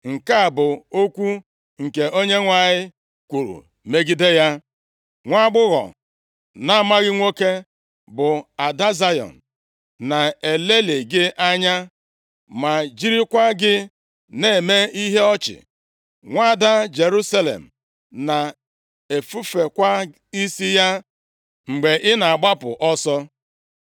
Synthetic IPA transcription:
ŋ̩˨ka˦a˨bʊ˨o˦kʷu˦ | ŋ̩˨ke˨ʔo˦ɲe˦ŋʷa˨ɲɪ˦ | kʷu˨ɾṵ˨ | me˦ɡi˦de˦ja˦ | ŋʷa˦ɡ͡bʊ˦ɣɔ̰˨ | na˦ma˦ɣɪ˦ŋʷo˦ke˦ | bʊ˨a˨da˦za˦jɔ̰˨n̩˨ | na˨e˨le˦le˨ɡɪ˦ʔa˦ɲa˦ | ma˨d͡ʒi˦ɾi˦kʷa˦ɡɪ˦ | ne˦˨me˦i˦ɦe˦ɔ˦t͡ʃɪ̰˨ | ŋʷa˦˨da˦d͡ʒe˨ɾu˦sa˦lḛ˨m̩˨ | na˨ | e˨fu˦fe˨kʷa˦ | i˦si˦ja˦ | ŋ͡m̩˨ɡ͡be˨ʔɪ˦na˨a˨ɡ͡ba˦pʊ̰˨ʔɔ˦sɔ˦

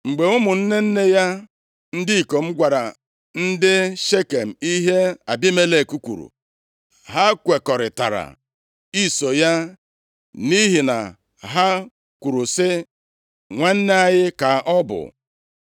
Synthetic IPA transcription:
ŋ͡m̩˨ɡ͡be˨ʊ˦mʊ˨n̩˦ne˦n̩˦ne˦ja˦ | n̩˦dɪ˦i˨ko˨m̩˦ɡʷa˨ɾa˨ | n̩˦dɪ˦ʃe˦ke˨m̩˨i˦ɦe˦a˨bi˦me˦le˦˨ku˦kʷṵ˨ɾṵ˨ | ɦa˦kʷe˨kɔ˨ɾɪ˨ta̰˨ɾa̰˨ | i˦so˨ja˦ | ni˦ɦi˨na̰˨ | ɦa˦ | kʷu˨ɾu˨sɪ˦ | ŋʷa˦n̩˦ne˦a˨ɲɪ˦ka˨ɔ˦bʊ̰˨

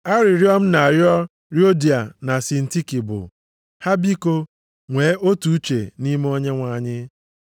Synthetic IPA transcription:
a˦ɾɪ˨ɾjɔ˦m̩˦na˨ɾjɔ˦ | ɾjo˦di˨a˨na˨sɪ˨n̩˨ti˦ki˨bʊ̰˨ | ha˦bi˦ko˦ | ŋʷeː˨˦ʔo˦tu˨u˦t͡ʃḛ˨ni˦me˦o˦ɲe˦ŋʷa˨ɲɪ˦

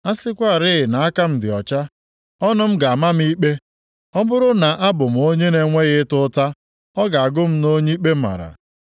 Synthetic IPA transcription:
a˦sɪ˦kʷa˦˨ɾɪ˦ɣɪ˨na˨a˦ka˦m̩˦dɪ˨ɔ˨t͡ʃa˦ | ɔ˦nʊ˦m̩˦ɡa˨a˨ma˦m̩˦i˦k͡pe˦ | ɔ˦bʊ˦ɾʊ˦na˨ʔa˦bʊ˨m̩˨o˦ɲe˦ne˨ŋʷe˦ɣɪ˦tʊ˦ta˦ | ɔ˦ɡa˨a˨ɡʊ˦m̩˦no˦ɲe˦i˦k͡pe˦ma̰˨ɾa̰˨

